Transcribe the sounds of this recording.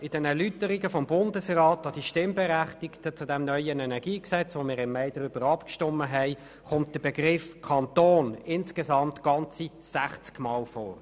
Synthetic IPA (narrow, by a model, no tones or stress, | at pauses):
ɪd̥ɛnɛʁlytəɾiɡəfɔmbʊndəsʁaːtɑd̥iʃtɪmbɛʁæχtɪktət͡sudɛmnœʏənɛnɛʁɡ̥iːksɛt͡sʋomɪːɾɪmːɛɪd̥əɾʏbəɾɑpkʃtɔmːəɦɛɪ | χʊmt̚d̥əbɛɡʁɪfkʰɑntoːnɪnskezɑmtɡ̥ɑnt͡si | sæχt͡skmɑːlfɔ̰ːɾ